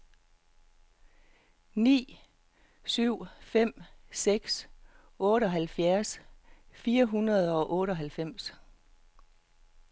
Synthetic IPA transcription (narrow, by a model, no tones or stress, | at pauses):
nḭː | syʊ̰fem̰seɡ̥s | ɔ̽ːɾ̥əɒ̽ɦælfjæɐsfiːɐɦunɐð̞ˠɒ̽ʔɔ̽ːɾ̥əɒ̽ɦælfem̰s